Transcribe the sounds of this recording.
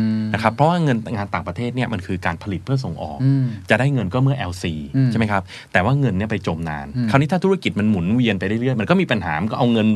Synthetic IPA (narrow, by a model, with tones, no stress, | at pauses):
na˧˩kʰa˦˥pʰɾɔ˦˥waː˥˩ŋɤ˧nŋaː˧nt̪aː˨˩ŋpɾa˧t̪ʰeː˥˩t̪̚ni˥˩ɐma˧nkʰɯː˧kaː˧npʰa˧li˨˩ɯ˥˩ɐs̬o˩˦ŋʔɔ̰ː˨˩k̚t͡ɕa˨˩ʔdaː˥˩jŋɤ˧nkɔː˥˩mɯ˥˩ɐʔɛ˧wsiː˧a˥˩ma˦jkʰa˦˥p̚ | t̪ɛː˨˩waː˥˩ŋɤ˧nːi˥˩ɐpa˧jt͡ɕo˧mna̰ː˧nkʰa˧˩wniː˥aː˥˩t̪u˦˥a˥˩ki˨˩t̪̚ma˧nmu˩˦nwi˧ənpa˧jɾa˥˩jɾɯ˥˩əjma˧nkɔː˥˩miː˧pa˧nɦaː˩˦ma˧nkɔː˥˩ʔa˧wŋɤ˧n